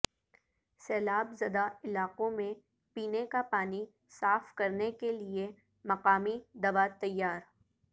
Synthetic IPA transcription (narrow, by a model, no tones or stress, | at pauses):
sɛːlaːbzɐd̪aɪlaːqõmẽ | piːnekapaːni | saːfkɐɾnekelie | mɐqaːmid̪ɐʋat̪ɐjːaːɾ